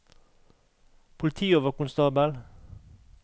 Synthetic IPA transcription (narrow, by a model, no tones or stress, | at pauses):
pʰʊlɪt̪ʰiːoːʋəkʊnst̪ɑːbəl